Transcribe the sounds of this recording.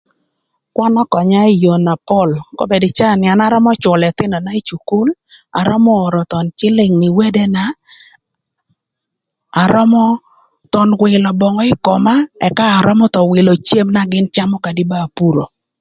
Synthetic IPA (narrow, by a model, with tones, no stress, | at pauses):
kwa˦nɔ˦kɔ˨ɲa˦i˦˨jo˨na˨pɔ˦˨lkɔ̰˦be˨dɪ˨t͡ʃa˦˨nɪa˨na˦ɾɔ˦mɔ˦t͡ʃɔ˨lɛ˨t̪ɪ˦nɔ˨na˦i˦t͡ʃu˨ku˦la̰˨ɾɔ˦mɔː˦˨ɾɔ˨t̪ɔ˨nt͡ʃɪ˦lɪ˨ŋnɪ˨we˦de˦na˨ | ɾɔ˦mɔ˦ | t̪ɔ˨nwɪ˨lɔ˨bɔ˨ŋɔ˦ɪ˦kɔ˨ma˦ɛ˨kaː˦˨ɾɔ˦mɔ˦t̪ɔ˨wɪ˨lo˨t͡ʃje˦mna˦ɡɪ˦nt͡ʃa˦mɔ˦ka˨di˦ba˦˨pu˦ɾo˨